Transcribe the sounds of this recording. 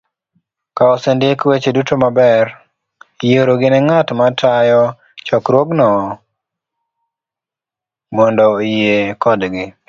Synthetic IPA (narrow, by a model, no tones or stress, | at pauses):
kaɔsendekwet͡ʃedutomabɛɾ | joɾoɡɪnɛŋatmatʰajɔ | t͡ʃɔkɾwoɡnɔ | mɔndɔjekɔdɡɪ